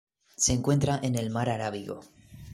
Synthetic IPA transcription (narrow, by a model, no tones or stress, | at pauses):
se̞ːŋkwe̞nt̪ɾaʔene̞lmaɾaɾaβiɣo̰